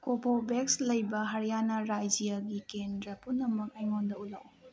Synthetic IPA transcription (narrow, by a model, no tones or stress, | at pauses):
kopʰobekslɐjbɐɦɐɾjanɐɾajd͡ʒijaɡikendɾɐpunːɐmɐk̚ɐjŋondɐulak